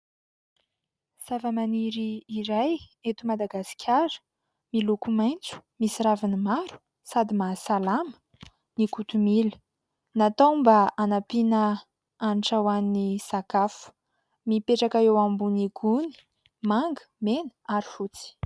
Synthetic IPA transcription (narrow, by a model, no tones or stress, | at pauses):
savamaniɾiːɾajet̪umad̪aɡasi̥kʲʰaɾə̥ | milukumajnt͡su̥misiɾavinimaɾu̥ | sad̪imasalamə̥ | nikut̪umilə̥ | nat̪awmbaanapinə | anʈ͡ʂawannisakafu̥ | mipeʈ͡ʂakaewambuniɡuni̥ | maŋɡə̥menə̥aɾi̥fut͡si̥